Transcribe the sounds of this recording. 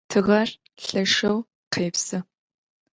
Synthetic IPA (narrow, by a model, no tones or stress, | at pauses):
tʰɨʁɐr | ɬɐʂɐw | qʰeːpsɨ